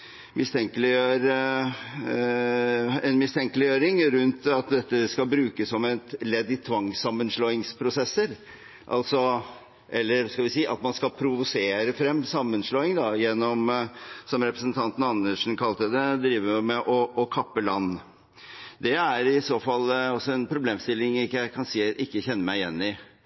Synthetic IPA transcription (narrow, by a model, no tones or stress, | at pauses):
mɪst̪ʰɛŋkəlɪøːɾə | ɛnmɪst̪ʰɛŋkəlɪjøːɾɪŋɾʉnt̪ɑt̪̚d̪ɛt̪ːəskɑbɾʉːkəsːɔmɛt̪lɛd̪ːɪt̪ʰʋɑŋsɑmːənʂloːɪŋspʰɾʊsɛsːəɾ | ʔɑ̰lt̪sɔ | ʔɛlːəɾskɑlʋɪsiːʔɑ̰t̪mɑnskɑpʰɾʊʋʊseːɾəfɾɛmːsɑmːənsloːɪŋd̪ɑjɛnːɔmsɔmɾɛpɾəsənt̪ʰɑnt̪n̩ɑnːəʂn̩kʰɑlt̪əd̪ɛd̪ɾiːʋəɾʊmɛʔɔʔɔkʰɑpːəlɑnː | d̪ɛæɾɪsoːfɑlɔsːɔɛnpʰɾʊbleːmst̪ɪlːɪŋɪjæɪkʰɑnsiːʔɪkːəçɛnːəmæɪjɛnːɪ